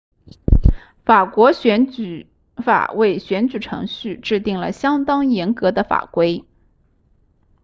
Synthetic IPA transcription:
fa˨˩kwɔ˧˥ɕɥɛ˧˥n˨˩ | fa̰˨˩we˥˩ɪɕɥɛ˧˥nt͡ɕy˨˩ʈ͡ʂʰɤ̰˧˥ŋɕy˥˧ʈ͡ʂɻ̩˥˧t̪i˥˩ŋlə̰˩ɕjɑ˥ŋt̪ɑ˥ŋjɛ˧˥nkɤ˧˥d̪ə˧fa̰˨˩kwe˥ɪ

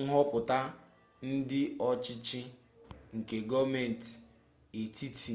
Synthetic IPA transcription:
ɦɔ˦pʊ˨ta˦ | n̩˦dɪ˦ɔ˦t͡ʃɪ˦t͡ʃi˦ | ŋ̩˨ke˨ɡɔ˦me˨n̩˨t | e˨tʰi˦tʰi˨

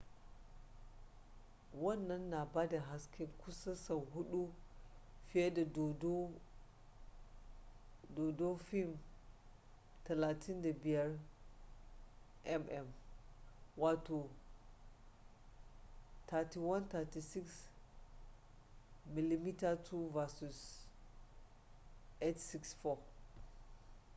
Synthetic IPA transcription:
wa˦nːa˦nːa˨ba˦da˨ɦa˨ski˦ku˦sa˦sa˨wɦu˦ɗu˦ | fi˦e˦da˨dd | do˨do˦fi˦m | ta˨la˨tʰi˦nda˨bi˨ja˦ɾ | ɛ˦mɛ˨m | wa˨tu˨ | tʰa˨ti˨wa˦nt̪a˨ti˨si˦ks | mi˨li˨mi˦ta˦tʰu˦va˨su˨s | e˦tsi˦ksfɔ˨

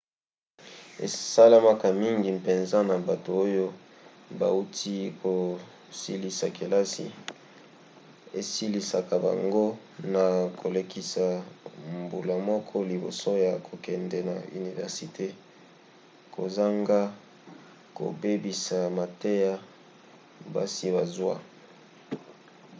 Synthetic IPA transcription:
ḛ˨sa˦la˦ma˦ka˨mi˦ŋɡi˨pe˨nza˦na˨ba˨to˨o˦jo˦ | ba̰˨u˦tʰi˦ko˨ | si˦li˨sa˨ke˨la˦sḭ˦ | e˨si˦li˨sa˨ka˨ba̰˨ŋɡo˦ | na˨kʰo˨le˦kʰi˦sa˨mbu˨la˨mɔ˦kʰɔ˦li˨bo̰˨so˦ja˨kʰo˨kɛ˨ndɛ˨na̰˨y̰˨ni˨vɛ̰˨ʁsi˨tʰe˦ | kʰo̰˨za˦ŋɡa˦ | ko̰˨be˦bi˨sa˨ma˨te˦ja˦ | ba̰˦si˦ba˨zwa̰˦

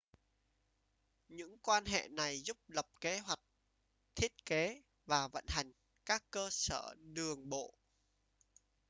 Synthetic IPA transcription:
ɲɨ̰˧˥ŋkwaː˧nɦḛ˧˨na˨˩jzʊ˦˥p̚lə˨˩p̚ke˨˦ɦwa˨˩jk̟̚ | t̪ʰi˦˥ət̚ke˨˦ | vaː˨˩və̰˧˨nha˨˩jŋ̟ | kaː˦˥kːəː˧səː˧˩ɗɨ˨˩əŋɓo̰˧˨

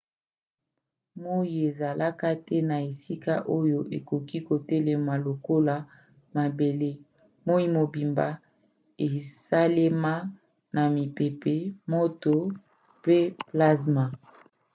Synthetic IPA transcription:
mo˦i˨e˨za˨la˦ka˦tɛ˦na˨e˨si˦ka˦ʔo˦jo˦ʔe˨ko˨ki˦ko˨tɛ˦le˨ma˨lo˨ko˦la˨ | ma˨be˨le˦ | mo˦i˦mo˨bi˨mba˨ | e˨sa˦le˦ma˦ | na˨mi˨pe˨pe˨mo˦to˨ | pe˦pla˦sma˨

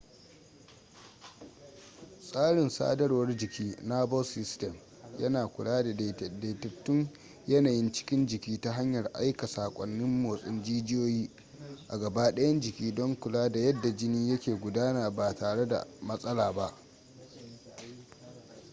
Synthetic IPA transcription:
sʼaː˦ɽɪ˨nsa̰ː˦dɐ˦rwɐ˦rd͡ʒɪ˨kʲiː˦naː˦bɔ˦lsɪ˦stɛ˨m | jɐ˦naː˨kʷʊ˨laː˦da˨da˨jtɐ˨tːʊ˦n | jɐ˦naː˨jɪ˦nt͡ʃɪ̥˦kʲɪ˦nd͡ʒɪ˨kʲiː˦ta˦ɦa˦ɲjɐ˨rʔa̰˦jka˨saː˨kʷʼɔ˨nːɪ˦mːoː˨sʼɪ˦nd͡ʒiː˦d͡ʒɪ˦joː˦jiː˦ | ʔa˨ɡɐ˨baː˦ɗɐ˦jɐ˦nd͡ʒɪ˨kʲiː˦dɔ˦ŋkʷʊ˨laː˦da˨jɐ˦dːa˨d͡ʒɪ˦niː˦jɐ˦kʲeː˨ɡʷʊ˨daː˦naː˨baː˨taː˨ɽe˦da̰˨mɐ˦sʼɐ˦laː˨ba˦ʔ

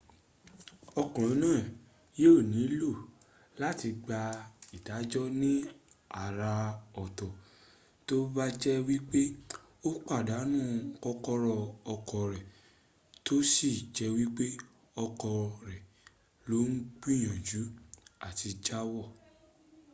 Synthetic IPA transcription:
ɔ˧kɔ̃˨ɾ̃ɔ̃˨˦nãː˦˨ | je˦o˦˨nĩ˨˦lo˦˨ | la˦ti˧ɡ͡ba˧i˨da˨˦d͡ʒɔ˦nĩ˦ | a˨ɾa˧ɔ˨tɔ˨ | to˦ba˦d͡ʒɛ˦wi˦k͡pe˦ | o˦k͡pa˦˨da˨˦nũː˦kɔ˦kɔ˦ɾɔ˧ɔ˧kɔ˨ɾɛ˨ | to˦si˦˨d͡ʒɛ˧˦wi˦k͡pe˦ | ɔ˧kɔ˧ɾɛ˨ | lo˨˦n̩˦k͡pi˦˨j̃ã˨d͡ʒu˨˦a˨ti˧d͡ʒa˦wɔ˦˨

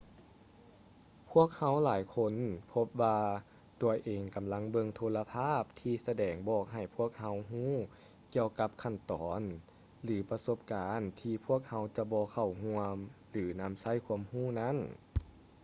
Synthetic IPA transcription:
pʰu˦˥˩ək̚ha˧˥wlaː˨˦jkʰo˧˥npʰo˧˥p̚ʋaː˧ | t̪u˨˩əʔeː˨˩ŋka˨mla˧˥ŋbɤ˧ŋt̪ʰoː˧la˧pʰaː˥˩p̚t̪ʰiː˧sa˧dɛː˨˩ŋbɔː˧˩k̚ɦa˨˩jpʰu˥˩ək̚ha˧˥wɦuː˥˩˨ | ki˧əwka˧˦p̚kʰa˧˩nt̪ɔː˨˦n | lɯː˨˩˦pa˧so˧˥p̚kaː˨˦nt̪ʰiː˧pʰu˥˩ək̚ha˧˥wt͡ɕa˧bɔː˧kʰa˨˩wɦu˧əm | lɯː˨˩˦na˧˥msa˧˥˨jkʰu˧əmhuː˥˩˨na˥˩˨n

